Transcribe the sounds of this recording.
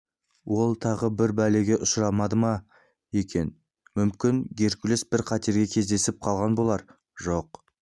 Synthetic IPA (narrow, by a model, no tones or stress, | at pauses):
wo̞lˠt̪ʰɑʁəbɪɾbæle̞ɡʲe̞ʔʊsɾɑmɑd̪əmɑ | je̞kʲe̞n | mʏmkʲɪnɡʲe̞ɾkʲɪlɪsbɪɾqʰɑt̪e̞ɾɡʲe̞kʲʰe̞zd̪e̞sɪp̚qʰɑlˠʁɑnbo̞lˠɑɾ | ʒo̞q